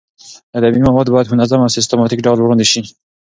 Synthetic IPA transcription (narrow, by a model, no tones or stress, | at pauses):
ad̪amimawɑd̪̚bɑjad̪mʊnazamawsɪs̬t̪amɑt̪ikɖɑlwɾund̪iʃi